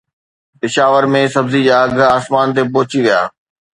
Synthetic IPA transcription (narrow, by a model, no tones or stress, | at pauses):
pɪʃaːʋəɾmẽsɐbzid͡ʑaːɐɡʱaːsmaːnt̪̬ep̬oːt͡ɕiʋija̰ː